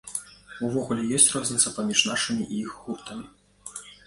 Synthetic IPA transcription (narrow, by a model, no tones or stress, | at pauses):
uvɔɣulʲɛjɔsʲt͡sʲrazʲnʲit̪sɐpamʲiʂnaʂɨmʲiʔiixːupt̪ɐmʲi